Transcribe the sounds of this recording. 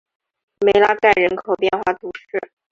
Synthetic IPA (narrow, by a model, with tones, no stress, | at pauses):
me˧˥ɪla˥ka˥˩ɪɻə˧˥nkʰo˨˩ʊpjɛ˥˧nxwa˥˩t̪u˧˥ʂɻ̩˥˩